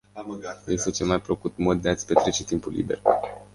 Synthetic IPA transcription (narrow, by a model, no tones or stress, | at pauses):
jest̪et͡ʃelmajpɾokut̪mod̪̚d̪eat̪sʲpe̞t̪ɾe̞t͡ʃet̪impulːḭbe̞̰r